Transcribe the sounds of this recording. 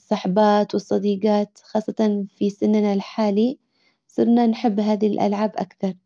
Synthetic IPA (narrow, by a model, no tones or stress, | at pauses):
sˤːɑħbaːt̪wɨsˤːɑd̪iːɡɑːt̪xɑːsˤːɑt̪ɑnfisɪnnalħaːli | sˤɨɾˤnanħɪbːɦaːðilʔa̰lʕaːbʔa̰kθɑɾˤ